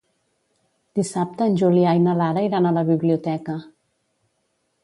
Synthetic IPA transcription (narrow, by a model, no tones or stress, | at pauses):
d̪̥isap̚t̪əːnʲʒuliajnəlaɾəiɾanələβiβliut̪ɛkə